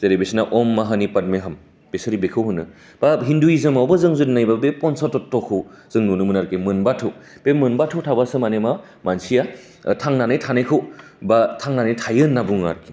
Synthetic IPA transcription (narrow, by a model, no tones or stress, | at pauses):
z̥eɾebesnaʔɔmːaɦanipad̚meɦam | b̥esaɾibekʰɯwɦɯnːɯ | b̥aɦinduizɯmawbɯzɯŋzudnajbabepɔnsatɔtːɔkʰɯwz̥ɯŋnunɯmɯnaɾkimɯnbatʰɯw | pemɯnbatʰɯwtʰabasɯmanema | mansija | tʰaŋnanɯjtʰanɯjkʰɯw | batʰaŋnanajtʰajɯnːabuŋa̰ɾkʰi̥